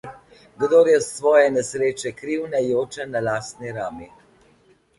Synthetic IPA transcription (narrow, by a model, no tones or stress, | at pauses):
ɡd̪oːɾjɛsʋɔːjɛnɛsɾeːt͡ʃɛkɾiwnɛjoːt͡ʃɛnalaːst̪niɾaːmi